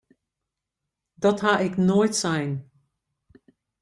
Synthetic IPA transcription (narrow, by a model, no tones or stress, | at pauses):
dɔthaʔɪknojtsɛjn